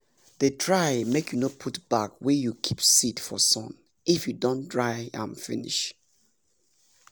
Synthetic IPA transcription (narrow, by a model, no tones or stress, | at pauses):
ðetʰɹaɪmekʰjunopʰutb̥akwɛjukʰipsitfɔ̰sɔ̰̃n | ifjudõndɹajã̰nfḭnḭʃ